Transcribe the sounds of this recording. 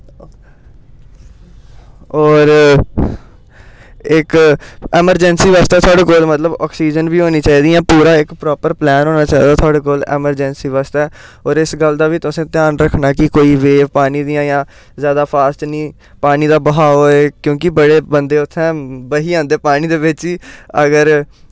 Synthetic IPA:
ɔːɾ | ɪkɛːməɾd͡ʒɛ̃ːnsiːʋaːst̪ɛːt̪ʰoaːɽeːkoːlmət̪ləbɔ̰ːksiːd͡ʒənbiːɦoːniːt͡ʃaːiːd̪iːãːpuːɾaːɪkpɾɔːpəɾplɛːnɦoːnaːt͡ʃaːiːd̪aːt̪ʰoaːɽeːkoːlɛ̰ːməɾd͡ʒɛ̃ːnsiːʋaːst̪aɛːɔːɾɪsɡəld̪aːʋiːt̪ʊsẽːt̪ɪjaːnɾəkʰːnaːkɪkoːiːʋeːʋpaːniːd̪ɪjãːjãː | zjaːd̪aːpʰaːsʈnĩː | paːniːd̪aːbəɦaːɦoːeːkjõːk̬ɪbəɽeːbənd̪eːʊt̪ʰːɛ̃ːbəɦiːãːnd̪eːpaːniːd̪eːʋɪt͡ʃiːəɡəɾ

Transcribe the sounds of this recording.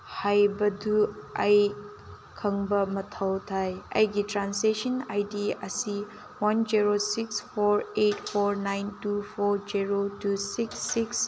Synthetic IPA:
hajbɐdʱuʔaj | kʰɐŋbəmɐt̪ʰawt̪ʰaja̰jɡitɾanseʃɔnajdiasi | wand͡ʒiɾosikspʰɔɾetfɔɾnajntupʰɔɾd͡ʒiɾotusiksiks

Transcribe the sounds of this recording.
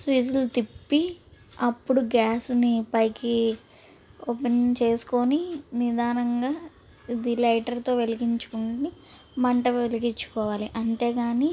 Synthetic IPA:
sʋid͡ʒulut̪ipːiɐpːuɽuɡaːsnipɐjki | oːpent͡ʃe̞ːsu̥ko̞ːninid̪aːnɐŋɡaː | id̪ilɐjʈɐɾt̪o̞ːʋe̞liɡiɲt͡ʃu̥kuɳʈni | mɐɳʈɐeliɡit͡ʃːu̥kɔːʋaːliʔɐnt̪e̞ːɡaːniː

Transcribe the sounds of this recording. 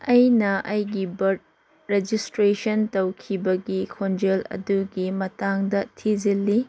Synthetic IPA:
ɐjnɐɐjɡibɐɾt̚ | ɾed͡ʒistɾesɐntɐwkʰibɐɡikʰond͡ʒelɐ̰duɡimɐtaŋdɐtʰid͡ʒilːi

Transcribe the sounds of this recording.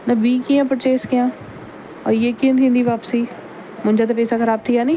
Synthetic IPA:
nabiːkijãːpəʈt͡ʃeːskɪjãː | jeːkẽnd̪ĩnd̪iːʋaːpsiː | mʊ̃ɲd͡ʒãːt̪eːpɛːsaːkʰəɾaːb̚t̪ʰiːaːnĩː

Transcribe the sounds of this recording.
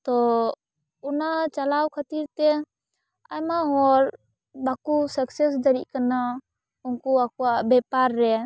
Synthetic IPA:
t̪ɔ | unat͡ʃalawkʰat̪iɾt̪ɛ | ajmaɦɔɾ | bakusəksɛs̬d̪əɾit̚kana | unkuakuwaʔbɛpaɾːɛ

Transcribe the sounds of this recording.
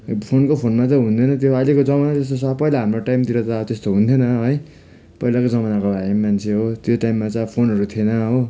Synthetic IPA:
pʰonkopʰonmat͡sʌj̃ɦunt̪ʰenʌt̪joʌjlekod͡zʌmanat̪est̪osʰʌpʌjlaɦamroʈajmd̪iɾʌt̪aaot̪est̪oɦunt̪ʰjonʌɦʌj | pʌilakod͡zʌmanakobaemant͡sʰeɦot̪joʈajmːat͡sapʰonɦʌɾut̪ʰienʌɦow

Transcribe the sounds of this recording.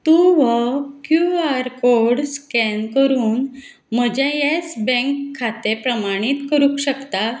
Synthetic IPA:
t̪uʋəkjuaɾkoɾɽskɛnkəɾuːn | m̤əd͡ʑajesbɛ̃ŋkʰːat̪epɾəmaɽ̃it̪kəɾukɕəkt̪a

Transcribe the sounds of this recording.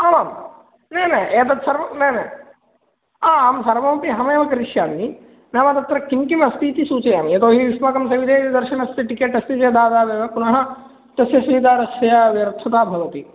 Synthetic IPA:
ɐːmaːm | nɐnɐeːt̪̬ɐt̪sɐɾʋɐnɐnɐ | aːaːmsɐɾʋɐmp̪iɦɐmeːmɐkɐɾiʃjaːnːi | nɐmɐt̪ɐt̪ɾɐkimkimɐst̪it̪isuːt͡ʃɐjaːmjɐt̪oːɦiʋismɐkɐmsɐʋid̪eːd̪ɐɾʃɐnɐst̪iʈikeːʈɐst̪it͡ʃed̪aːd̪aːʋeːʋɐkunɐɦɐ | t̪ɐsjɐsʋiːd̪aːɾɐsjɐjaːʋjɐɾt̪ʰɐt̪aːbʱɐʋɐt̪i

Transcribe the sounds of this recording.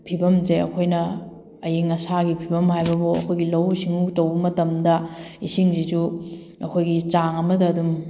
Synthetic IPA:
pʰibɐmzeɐ̰kʰojnɐ | ɐjiŋɐsaɡipʰibɐmɦajbɐboɐ̰kʰojɡilɐwsiŋutɐwbɐmɐtɐmdɐisiŋzizu | ɐkʰojɡit͡ʃaŋɐmɐdɐːdum

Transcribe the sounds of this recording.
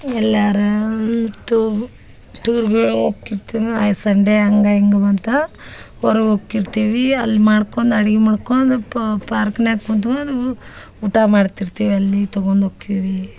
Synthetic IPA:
ɛlːaːɾɐtːu | ʈuːɾɡeokːiɾt̪iʋiajsɐɳɖeɐŋɡaiŋɡɐmɐnt̪ɐ | ɔɾuokːiɾt̪iːʋiɐlːimaːɽkond̪ɐɽiɡimɐɽkoːnd̪ppaːɾkɐnjaːkːunt̪kod̪u | uʈamaːɽt̪iɾt̪iːʋiɐlːit̪ɔɡond̪okːiːʋi

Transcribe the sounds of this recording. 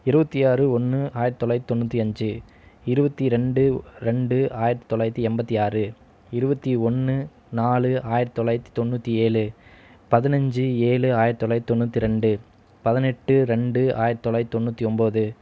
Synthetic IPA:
ɪɾɯbɐt̪ːijaːrɯɔnːɯaːjɪɾɐt̪ːɔlːaj̪t̪ɔnːuːt̪ːiɐɲd͡ʒɯ | ɪɾɯbɐt̪ːiɾɛɳɖɯɾɛɳɖɯaːjɪɾɐt̪ːɯ̥t̪ːɔlːaːɾɐt̪ːiɛmbɐt̪ːiaːrɯ | ɪɾɯbɐt̪ːiɔnːɯ | naːɭɯaːjɪɾɐt̪t̪ːɔlːaːjɾt̪ːi̥t̪ɔnːuːt̪ːieːɭɯ | pɐðɪnɐɲd͡ʒɯeːɭɯaːjɪɾɐt̪ːɔlːaːɪt̪ɔnːuːt̪ːiɾɛɳɖɯ | pɐðɪnɛʈːɯɾɛɳɖɯʔa̰ːjɪɾt̪t̪ːɔlaːjt̪t̪ɔnːuːt̪ːiɔmbɐðɯ

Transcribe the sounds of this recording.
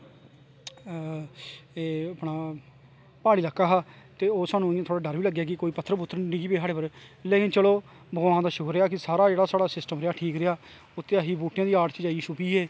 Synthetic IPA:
eːəpnaː | paːɽiːləkːaːɦaː | t̪eːoːsaːnũːjãːt̪ʰoːɽaːɖəɾʋiːləɡjaːkikoːiːpət̪ʰːəɾpʊt̪ʰːəɾɖiɡiːbeːɦaːɽeːbəɾleːkɪnt͡ʃəloː | bəɡʋãːd̪aːʃʊkəɾːeaːkɪsaːɾaːd͡ʒeːɽaːsaːɽaːsɪsʈəmɾɪaːʈʰiːkɾɪaː | ʊt̪ːeːaɦiːbuːʈːjãːd̪iːaːʈt͡ʃəd͡ʒaːiːsʊpiːɦeː

